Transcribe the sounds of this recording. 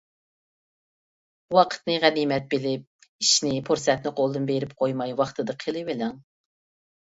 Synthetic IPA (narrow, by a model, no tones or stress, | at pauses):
wɑqʰə̥t̪nɨʁænimɛt̪̚belɪp̚ | iʃnɪpʰoɾsɛt̪nɨqolˠd̪ɨnbeɾɪp̚qʰojmɑjwɑχt̪ʰɨd̪ɨqʰəlˠɨvɪlɛŋ